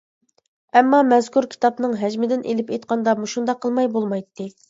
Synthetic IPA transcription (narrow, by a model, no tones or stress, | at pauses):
ɛmːɑmɛzkuɾkʲʰi̥t̪ɑpnɨŋɦɛd͡ʒmɪd̪ɪnʔelɪpejt̪̚qʰɑnd̪ɑmuʃund̪ɑqʰːəlˠmɑjbolˠmɑjt̪ːɨ